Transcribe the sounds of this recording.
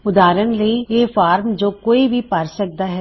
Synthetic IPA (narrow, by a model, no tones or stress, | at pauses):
ʊd̪aːɾənleieːfaːɾmd͡ʒoːkoːibʱipaːɾsək̚d̪aɦɛː